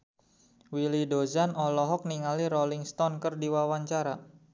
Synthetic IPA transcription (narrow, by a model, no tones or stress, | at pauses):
wilidozanɔlɔɦɔk̚niŋaliɾɔliŋst̪ɔnkərdiwawaɲt͡ʃaɾa